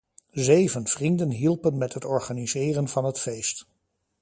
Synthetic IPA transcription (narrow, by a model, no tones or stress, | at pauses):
zejvənv̥rindənɦilˠpənmɛtɦətɔɹχaːnizɪːrənvɑnɦətfejst